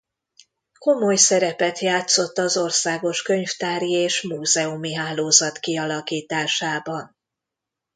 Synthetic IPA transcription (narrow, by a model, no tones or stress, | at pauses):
ko̞mo̞jsɛɾɛpɛt̪jaːt̪so̞t̪ːɒzo̞rsaːɡo̞ʃkø̞ɲft̪aːrjieːʃmuːzɛumiɦaːloːzɒt̪kiɒlɒkiːt̪aːʃaːbɒn